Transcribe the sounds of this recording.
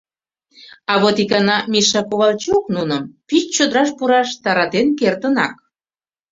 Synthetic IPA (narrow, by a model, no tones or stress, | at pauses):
ɑβot̪ikɑnɑmʲiʃɑpoβɑlt͡ɕuknunəmpit͡ɕt͡ɕod̪əɾɑʃpuɾɑʃt̪ɑɾɑt̪enkert̪ənɑk̚